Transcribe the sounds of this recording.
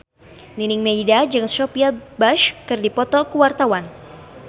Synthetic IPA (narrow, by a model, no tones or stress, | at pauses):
ninɪŋmeidad͡ʒɨŋsɔpiabaʃkɨrdipɔt̪ɔkuwart̪awan